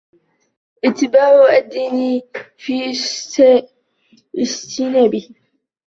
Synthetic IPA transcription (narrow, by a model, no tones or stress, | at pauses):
ʔɪt̪ːɪbaːʕad̪ːiːni | fiː | ʔɪst̪ʰinaːbi